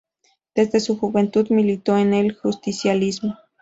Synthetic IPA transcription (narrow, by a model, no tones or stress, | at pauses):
d̪̥ezd̪esuxuβent̪ud̪milit̪oainelxust̪isjalismo